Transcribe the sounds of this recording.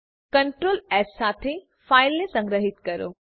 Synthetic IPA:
kɐɳʈɾoːlɛːsːaːt̪ʰe | faːɪlːesɐ̃ŋɡɾəɦit̪kɐɾo̰ː

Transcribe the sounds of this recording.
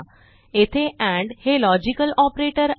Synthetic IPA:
et̪ʰeʔæ̃ɳɖhelɔd͡ʑikəlɔpɾeʈəɾ

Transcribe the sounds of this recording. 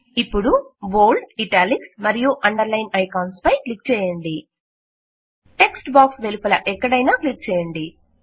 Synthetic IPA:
ipːuɽuboːɭɖiʈaːliksmɐɾijuʔɐɳɖɐɾlɐjnɐjkaːwnspɐjklik̚t͡ʃɛːjɐɳɖi | ʈe̞ksʈbaːksʋelipʰɐlɐʔɛkːɐɽɐjnaːklik̚t͡ʃɛːjɐɳɖi

